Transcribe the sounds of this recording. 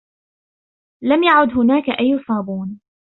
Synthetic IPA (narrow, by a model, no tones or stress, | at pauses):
lamjaʕʊd̪ɦʊnaːkaʔajːsˤɑːbuːn